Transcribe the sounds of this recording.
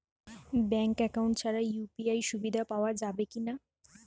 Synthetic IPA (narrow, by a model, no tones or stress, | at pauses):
bɛŋkɛkawɳʈt͡ɕʰaɾajupiajʃubid̪ʱapaoad͡ʑabekina